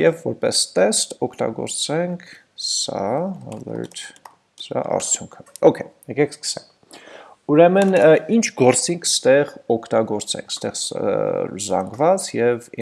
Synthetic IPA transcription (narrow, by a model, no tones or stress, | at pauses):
jɛvːɔɾpɛst̪ɛst̪ɔkʰt̪ɑ̰ɡɔ̰ɾt͡sɛŋkʰ | sɑɑlə̰ɾt̪ | səɾɑ̰ʔɑ̰ɾt͡sʰjuŋkʰə̥ɔkʰɛjɛkɛkʰskə̥sɛm | uɾɛmənint͡ʃʰɡɔɾt͡siŋkʰst̪ɛʁɔkʰt̪ɑɡɔɾt͡sɛ̰ŋkʰst̪ɛʁ | zɑ̰ŋɡvɑt͡sjɛv